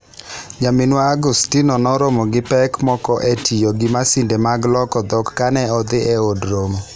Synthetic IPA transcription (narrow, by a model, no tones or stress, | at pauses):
ɲamɪnwaːɡustinɔnɔɾomɔɡɪpɛkmɔkɔʔetʰijoɡɪmasɪndemaɡlɔkɔd̪ɔkːanɛɔd̪ɪʔeodɾomo